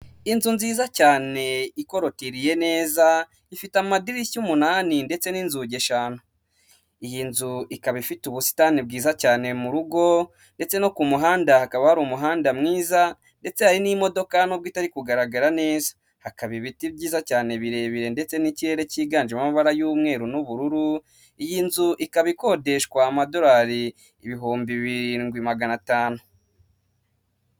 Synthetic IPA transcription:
inzunziːzacaːne̞iko̞ɾo̞tiɾije̞ne̞ːza | ifitamadiɾicumunaːninde̞t͡se̞niːnzuɟe̞ʃanu | ijinzuikaβifituβusi̥tanib̚ɡiːzacaːne̞muɾuɡo̞ | nde̞t͡se̞no̞kumuɦaːndahakaβahaɾumuɦaːndamŋiːza | nde̞t͡se̞haɾinimo̞do̞kanoβɡitaɾikuɡaɾaɡaɾane̞ːzḁ | hakaβiβitibɟiːzacaːne̞βiɾe̞βiɾe̞nde̞t͡se̞niciɾe̞ɾeciɡaːnd͡ʒemamaβaɾajuːmŋe̞ːɾunuβuɾuɾu | ijiːnzuʔikaβiko̞de̞ʃkwaːmado̞ɾaːɾi | iβiɦuːmbiβiŋɡwimaɡanataːnu

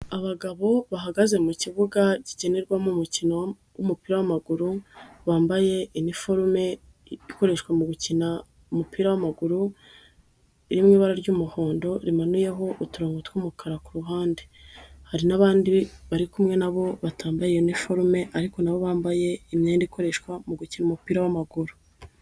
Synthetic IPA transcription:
aβaɡaβo̞βaɦaɡaze̞muciβuɡaciɟe̞ne̞ɾɡwamumucino | wumupiːɾawamaɡuɾuβaːmbaje̞inifo̞ɾume̞ | iko̞ɾe̞ʃwemuɡucina | umupiːɾawamaɡuɾu | iɾimŋiːβaɾaɾɟuːmuho̞ːndo̞ɾimanuje̞ɦo̞ʔutuɾoːŋɡutwuːmukʰaɾakuɾuɦaːndehaɾinaβaːndiβaɾikumŋe̞naβo̞βataːmbajeinifoɾume̞ʔaɾiko̞naβo̞βaːmbaje̞imɲeːndiiko̞ɾe̞ʃkwamuɡucinumupiːɾawamaɡuɾu̥

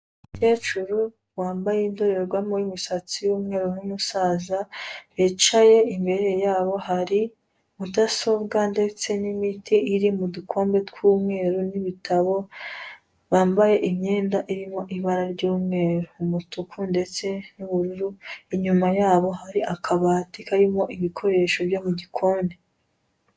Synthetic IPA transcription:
ute̞ːt͡ʃuɾu | waːmbajendoɾeɾɡwamoɾimisat͡sijuːmŋe̞ːɾunumusaːzaβit͡ʃaje̞imbe̞ɾe̞jaːβo̞ɦaɾi | mudaso̞bɡande̞t͡se̞nimitʰiiɾimudukʰo̞ːmbe̞tkwuːmŋe̞ːɾuniβitʰaβo̞ | βaːmbaje̞ʔimɲe̞ːndaʔiɾimo̞ʔiβaɾaɾɟuːmŋe̞ːɾumutukʰunde̞t͡se̞nuβuɾuɾuiɲumajaːβo̞haɾiʔakʰaβaːtikaɾimo̞ʔiβikʰo̞ɾe̞ːʃo̞bjomuɟikʰo̞ːmbe̞

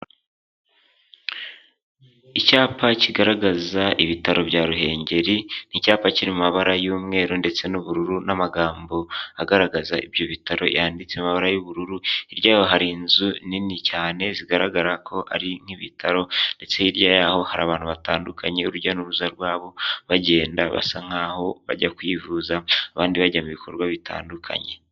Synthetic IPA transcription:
icaːpaciɡaɾaɡazaʔiβitaɾo̞bɟaːɾuɦe̞ːɲɟe̞ɾin̥icaːpaciɾimumaβaɾajuːmŋe̞ːɾunde̞t͡se̞nuβuɾuɾunamaɡaːmbo̞aɡaɾaɡazaʔibjo̞βitaɾo̞̰jaːndit͡semaβaɾajuβuɾuɾuiɾjaːhoɦaɾinzuninicaːne̞ziɡaɾaɡaɾakʰo̞ʔa̰ɾiŋ̥hiβitʰaɾo̞nde̞t͡se̞iɾjajaho̞haɾa̰ːβaːn̥huβataːndukʰaɲe̞uɾuɾɟanuɾuzaɾɡwaːβo̞βaɟe̞ːndaβa̰saŋ̥aːho̞βa̰ɟakwivuːzaːβaːndiβaɟamuβikʰo̞̰ɾɡwaβitʰa̰ːndukʰa̰ɲe̞

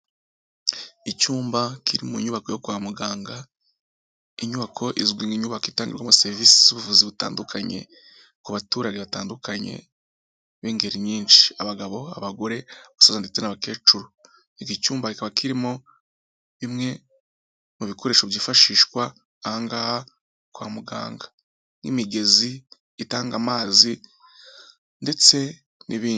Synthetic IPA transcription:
icuːmbakʰiɾimuɲuβako̞jo̞kuwaːmuɡaːŋɡa | iɲuβakʰo̞ʔizɡwiːŋɡiɲuβakoiːtaːŋɡiɾɡwamase̞ɾvisi̥z̥uβuvuziβuta̰ːndukʰaɲe̞̰ | kuβatuɾaɡeβataːndukʰaɲe̞̰ | βiːŋɡe̞ɾiɲiːnʃi̥aβaɡaβo̞a̰βaɡo̞ɾe̞βasozandit͡senaβake̞ːt͡ʃuɾo | iɡicuːmbakikaβakʰiɾimo̞ | βimŋe̞ | nuβikʰo̞ɾe̞ːʃoβjiːfaʃiːʃkwaː | haːŋɡaha | kwa̰ːmuɡa̰ːŋɡḁ | nḭmiɡe̞ziː | taːŋɡamaːzi | nde̞t͡se̞ | nʔiβiː

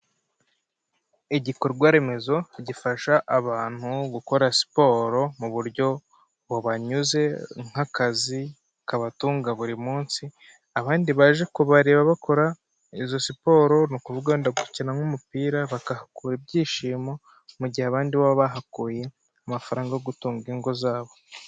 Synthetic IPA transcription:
iɟikoɾɡwaɾe̞me̞zo̞ɟifaʃaʔːβaːn̥huɡuko̞ɾasi̥po̞ɾo̞muβuɾɟo̞ | βoβaɲuze̞ŋ̥hakazi | kaβatuːŋɡaβuɾimuːnsi | aβaːndiβaʒe̞kuβaɾe̞ːβaβakʰo̞ɾa | izo̞sipo̞ːɾo̞nukuvuɡaondaɡuicinaŋumupiːɾaβakahakuːɾeb̚ɟiːʃiːmo̞ | muɟihaːβaːndiβaβaβaɦakuːje̞ | amafaɾaːŋɡajoɡutuːŋɡeŋɡo̞zaːβo̞

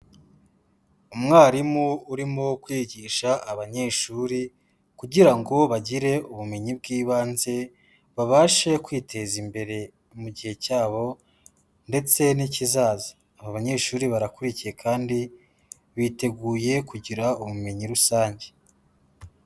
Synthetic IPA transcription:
umŋaːɾimuːɾimo̞kwiːɟiʃaʔːβaɲe̞ʃuːɾi | kuɟiɾaŋɡo̞βaɟiɾe̞uβumeɲib̚ɡiːβaːnze̞ | βaβaːʃe̞kwiːtʰe̞zimbe̞ɾe̞ | muɟihe̞caːβo̞ | nde̞t͡se̞nicizaːzḁːβaβaɲe̞ʃuːɾiβaɾakuɾicije̞kʰaːndi | βite̞ɡuːje̞kuɟiɾauβume̞ɲiɾusaːɲɟe̞

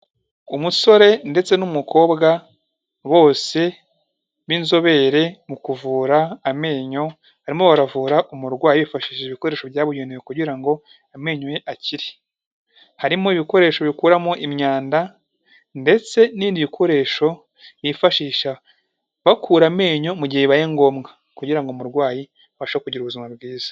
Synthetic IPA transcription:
umuso̞ɾe̞nde̞t͡se̞numukʰo̞ːbɡa | βo̞ːse̞ | βinzo̞βe̞ɾe̞mukuvuːɾaːme̞ːɲo̞ | haɾimo̞βaɾavuːɾaʔumuɾɡwaːjeβifaʃiːʃeiβikoɾe̞ːʃo̞βjaːβuɟeniβekuɟiɾaŋɡo̞ | ame̞ːɲoje̞ʔaciɾi | haɾimoiβiko̞ɾe̞ːʃo̞βikuːɾamoʔimɲaːnda | nde̞t͡se̞niːndiβikʰo̞ɾe̞ːʃo̞ | jifaʃiːʃa | βakʰuːɾame̞ːɲo̞muɟiheβajeŋɡo̞ːmɡa | kuɟiɾaŋɡomuɾɡwaːji | βaʃakuɟiɾuβuzimŋabɡiːz̥ḁ

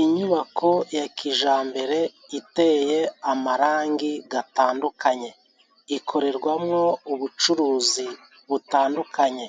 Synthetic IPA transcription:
iɲuβakʰo̞jakiʒaːmbe̞ɾe̞ | ite̞je̞amaɾaːŋɡiɡataːndukaɲe̞ | ikʰo̞ɾe̞ɾɡwamŋo̞uβut͡ʃuɾuːzi | βutaːndukʰaɲe̞

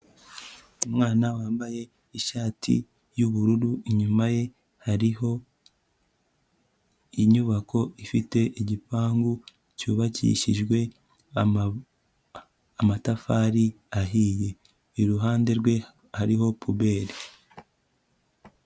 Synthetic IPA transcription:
umŋaːnawaːmbaje̞ | iʃaːtʰḭ | juβuɾuɾuiɲumaje̞ | haɾiho̞ | iɲuβakʰo̞ʔifite̞ʔiɟipaːŋɡu | cuːβacḭʃiʒɡwe̞ | amatafaːɾi | aɦiːje̞ː | ɾuɦaːnde̞ɾɡwe̞ | haɾiho̞pʰuβe̞ːɾi

